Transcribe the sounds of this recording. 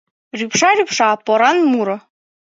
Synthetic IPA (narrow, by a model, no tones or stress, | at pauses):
rʲypʃɑɾʲypʂɑpŏɾɑnmuɾɤ̆